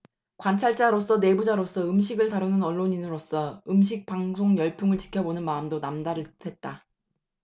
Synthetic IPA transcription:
kwant͡ɕʰaɭt͡ɕ͈aɾos͈ʌne̞bud͡ʑaɾos͈ʰʌɯmɕʰiɡɯɭtaɾunɯnʌɭːoɲinɯɾos͈ʌɯmɕ̬ʰik̚paŋsʰoŋjʌɭpʰjuŋɯɭt͡ɕi̥kʰjʌbonɯnmaɯmdonamdaɾɯtʰwe̞t̚t͈a

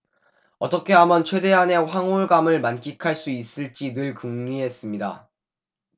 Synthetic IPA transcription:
ʌt͈ʌkʰe̞ɦamjʌnt͡ɕʰwe̞de̞ɦane̞ɸwaŋoɭɡamɯɭmank͈ikʰaɭs͈uis͈ɯɭt͡ɕ͈inɯɭkɯŋɲiɦe̞s͈ɯmɲida̰

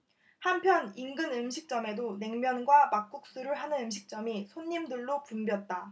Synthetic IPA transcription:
hampʰjʌniŋɡɯnɯmɕʰik̚t͡ɕ͈ʌme̞done̞ŋmjʌnɡwamak̚k͈uk̚s͈uɾɯɭɦanɯnɯmɕʰik̚t͡ɕ͈ʌmisʰoɲːimdɯɭːopumbjʌt̚t͈a

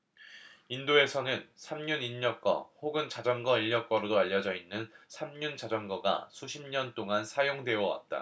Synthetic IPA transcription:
indoe̞sʰʌnɯnsʰamɲuniɲːʌk͈ʌ̰hoɡɯnt͡ɕad͡ʑʌŋɡʌiʎːʌk͈ʌɾodoaʎːʌd͡ʑʌinːɯnsʰamɲunt͡ɕad͡ʑʌŋɡʌɡa̰sʰuɕʰimɲʌnt͈oŋansʰajoŋdwe̞ʌwa̰t̚t͈a̰

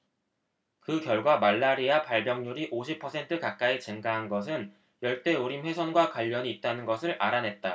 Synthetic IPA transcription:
kɯkjʌɭɡwamaɭːaɾiapaɭbjʌŋɲuɾiʔoɕʰipʰʌsʰe̞ntʰɯkak̚k͈aet͡ɕɯŋɡaɦanɡʌs̬ʰɯn | jʌɭt͈e̞uɾimɸwe̞sʰʌnɡwakwaʎːʌɲiːt̚t͈anɯnɡʌsʰɯɭʔaɾanɦe̞t̚t͈a

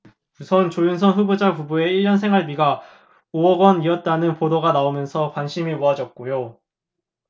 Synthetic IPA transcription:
usʰʌnt͡ɕojuns̬ʰʌnɸubud͡ʑakubue̞iɭjʌnsʰe̞ŋwaɭbiɡa | oʌɡʌniʌt̚t͈anɯnpodoɡanaomjʌnsʰʌkwanɕʰimimoɦad͡ʑʌt̚k͈ojo

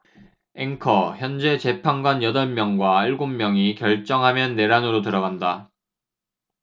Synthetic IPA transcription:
eŋkʰʌçjʌnd͡ʑe̞t͡ɕe̞pʰaŋɡwanjʌdʌnmjʌŋɡwaiɭɡomːjʌŋikjʌɭt͡ɕ͈ʌŋɦamjʌnːe̞ɾanɯɾotɯɾʌɡanda

